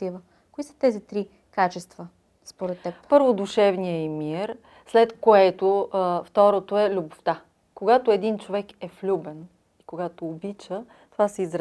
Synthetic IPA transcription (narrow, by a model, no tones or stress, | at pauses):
ivə | koisə̥t̪ɛzit̪ɾi | kat͡ʃɛst̪və | spoɾɛt̪ːɛppɤɾvod̪uʃɛvnijəimiɾ | slɛt̪koɛt̪oft̪ɔɾot̪oɛlʲuboft̪a | koɡat̪ʊɛd̪int͡ʃovɛkɛflʲubɛn | ikoɡat̪oːbit͡ʃə | t̪ovasɛizɾ